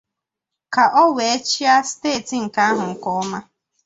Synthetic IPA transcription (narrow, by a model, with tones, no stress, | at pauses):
ka˨ʔɔ˦we˨e˦t͡ʃi˦a˦steː˦˨ti˨ŋ̩˨ka˨˦ɦʊ˨ŋ̩˨kɔ˦ma˦